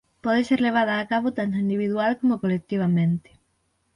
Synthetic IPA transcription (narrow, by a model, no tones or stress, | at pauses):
pɔðeseɾleβ̞að̞aːkaβot̪ant̪oind̪iβ̞iðwalkomokolek̚t̪iβ̞amẽnt̪e̥